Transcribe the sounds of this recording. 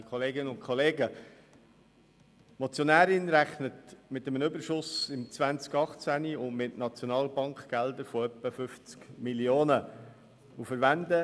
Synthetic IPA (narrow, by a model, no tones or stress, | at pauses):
kχoleːɡɪnəʊntkʰχoleːɡə | mɔt͡sjonæːɾɪnɾæχnətmɪt̪əmənʏbəɾʃʊsɪmt͡svænt͡skɑχt͡sæniʊnmɪtnɑt͡sjonɑːlbɑŋkɡ̥ældəɾfɔœpːəfʏft͡skmilioːnə | ufəɾʋænd̪ə